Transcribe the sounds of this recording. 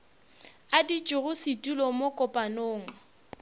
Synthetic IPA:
adit͡ʃʼʊrʊsitʼulɔmokʼʊpʼanoːŋ̩

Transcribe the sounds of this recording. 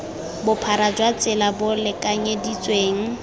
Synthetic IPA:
bʊpʰaɾad͡ʒwat͡sʼɪlabʊlɪkʼaɲɛdit͡sʼweːŋ̩

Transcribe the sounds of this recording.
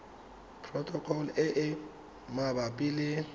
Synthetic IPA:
pʰrɔtʰʼɔkʰɔlɛʔɪ | mabapʼile

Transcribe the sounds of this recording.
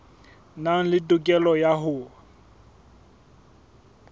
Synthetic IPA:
naŋ̩lɪtʼʊkʼɛlɔjaɦʊ

